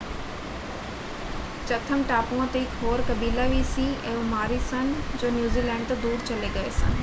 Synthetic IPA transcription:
t͡ɕɐt̪ʰəmʈaːpũə̃t̪ekɦoːɾkɐbiːlaʋiːsĩɛ̰̃ũmaːɾisɐnɪ̆d͡ʑoːnjuːziːlɛ̃ːɳɖ̚t̪ɐd̪uːɾt͡ɕɐleɡɐesɐ̰nɪ̆

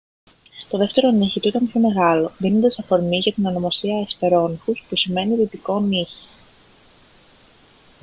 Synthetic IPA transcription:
t̪o̞ðe̞ft̪e̞ɾo̞niçit̪uit̪ɐmpço̞me̞ɣɐlo̞ðino̞nd̪esɐfo̞ɾmiʝɐt̪ino̞no̞mɐsiɐespe̞ɾo̞nixuspusime̞niðit̪iko̞niçi̥

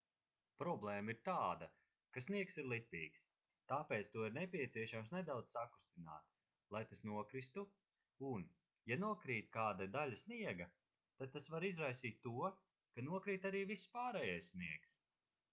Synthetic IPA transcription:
pɾɔblˠɛːmɐiɾt̪aːd̪ɐ | kasniɛksiɾlˠipʲiːks | t̪aːpeːt̪st̪uɔiɾnɛpʲiɛt̪siɛʃamsned̪awd̪z̥saku̥st̪ina̰ːt̪ | lˠajt̪asnuɔkɾist̪u | un | januɔkɾiːt̪ʲkaːd̪ad̪alʲasniɛɡɐ | t̪ad̪̚t̪asvaɾizɾajsiːt̪ʲːuɔ | kanuɔkɾiːt̪aɾiːvisːpaːɾɛːjajssniɛks

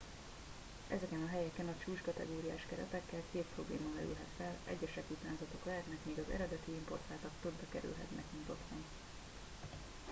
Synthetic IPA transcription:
ʔɛzɛkɛnɒɦɛjɛkɛnɒt͡ʃuːt͡ʃkɒt̪ɛ̰ɡoːɾija̰ːʃkɛɾɛ̰t̪ɛkːɛlkeːt̪̚pro̞blḛːmɒmɛɾy̰lɦɛt̪fɛlɛ̰ɟːɛʃɛkut̪aːnzɒt̪o̞klɛɦɛt̪nɛkmeːɡɒzɛ̰ɾɛd̪ɛt̪iimpo̞rt̪aːlt̪ɒkt̪od̪dɒkɛɾy̰lɦɛ̰t̪nɛkmint̪ot̪mɔŋ

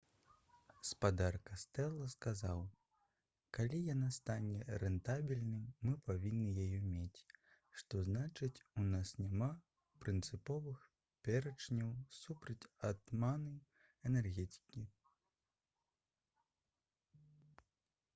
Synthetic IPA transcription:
spad̪arkast̪ɛlˠɐskazaw | kalʲijanast̪anʲɛɾɛnt̪abʲilʲnɨmːɨpavʲinːɨjajɛmʲet͡sʲ | ʂt̪ɔznat͡ʂɨt͡sʲunasnʲama | pɾɨnt̪sɨpɔvɨx | pʲɛɾɐt͡ʂnʲɐwsupɾɐt͡sʲat̪manɐj | ɛnɛrɣʲɛt̪ʲi̥kʲi

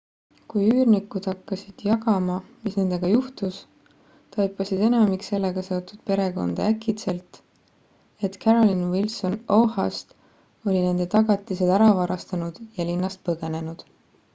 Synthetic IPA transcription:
kujyːrnikːud̪̥hɑkːɑsid̪̥jɑɡɑmɑmisne̞nd̪̥e̞ɡ̥ɑjuht̪us | t̪ɑjpːˑɑsid̪̥e̞nɑmikse̞lːe̞ɡ̥ɑse̞o̞t̪ːˑud̪̥pe̞ɾe̞ko̞̰nd̪̥ɑækːit̪se̞lt̪ | e̞t̪kʰæɾolinwilso̞nohɑ̰st̪ | o̞lʲine̞nd̪e̞t̪ɑɡ̥ɑt̪ˑːise̞d̪̥æɾɑvɑɾɑst̪ɑnud̪̥jɑlinːɑst̪̚pɤɡ̥e̞ne̞nud̪̥

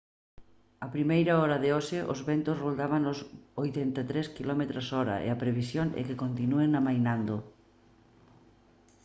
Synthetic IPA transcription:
apɾimejɾɐɔɾɐðɪɔʃɪʔʊzβɛnt̪ʊsrold̪aβaŋʊsojt̪ɛnt̪at̪ɾeskilɔmet̪ɾosɔɾɐ̰ʔḛɐpɾeβ̞isjoŋɛ̰kɪkont̪inueŋamajnand̪o

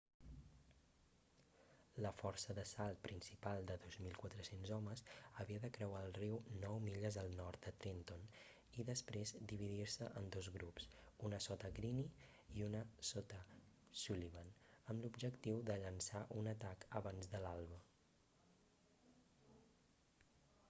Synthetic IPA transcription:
ləfɔɾsəðəsalˠt̪̚pɾinsipalˠd̪əðozmilˠkwat̪ɾəsenzɔməzəβiəðəkɾəwaːlˠriwnɔwmiʎəzðəlˠnɔɾt̪̚d̪ət̪ɾint̪on | iðəspɾezd̪iβ̞iðiɾsəʔənd̪ozɣɾupsunəsɔt̪əɣɾini | iunəsɔt̪ə | suliβənəmlubʒəkt̪iwd̪əʎənsaʔunət̪akəβanzðəlalˠβə

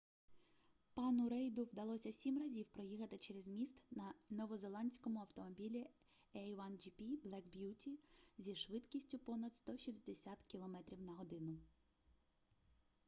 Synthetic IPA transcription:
pɑnʊɾɛjd̪ʊwd̪ɐlˠɔsʲɐsʲimrɐzʲiwpɾɔjixɐt̪ɪt͡ʃeɾezmʲist̪nɐnɔʋɔzɔlˠɑnʲsʲkɔmʊɐwt̪ɔmɔbʲilʲi | ɛjʋɑnd͡ʒipʲiblˠɛkbʲjutʲizʲiʃʋɪt̪kʲisʲtʲʊpɔnɐt̪st̪ɔʃʲisʲd̪esʲat̪kʲilˠɔmɛt̪ɾʲiwnɐɦɔd̪ɪnʊ

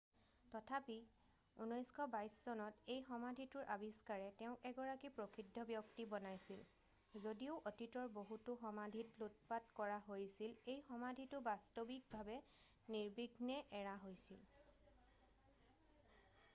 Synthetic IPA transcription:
tɔtʰapi | unɔjskʰɔbajszɔnɔtejxɔmadʱitʊɹʔabiskaɹɛtɛʊ̃kɛɡɔɹakipɹokʰidʱːɔbjɔktibɔnajsil | zodioʊʔotitɔɹboɦutʊxɔmadʱitlot̚patkɔɹaɦojsilejxɔmadʱitʊbastobik̚bʱabɛ | niɹbiɡʱnɛʔɛɹaɦojsil

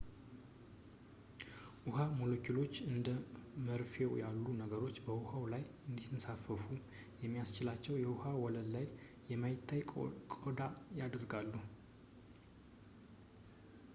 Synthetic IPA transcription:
ʔuhamo̞lokʰilo̞t͡ʃːɨnd̪əməɾfewjalːunəɡəɾo̞t͡ʃːbəwuhawlajɨnd̪it̪əsafəfu | jɛmːijast͡ʃɪlat͡ʃːɛwjɛwuhawɔləllːajː | ɛmajɪt̪ʰːajkʼod̪ajad̪əɾɡalːu

